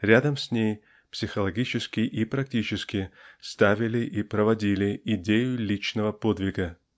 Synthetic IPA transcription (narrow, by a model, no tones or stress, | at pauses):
ɾʲad̪əmsʲnʲej | psʲɪxəlˠɐɡʲit͡ɕɪskʲɪʔipɾɐk̚tʲit͡ɕɪskʲɪst̪avʲɪlʲɪʔipɾəvɐdʲilʲɪɪdʲejʊlʲit͡ɕnəvəpod̪vʲɪɡə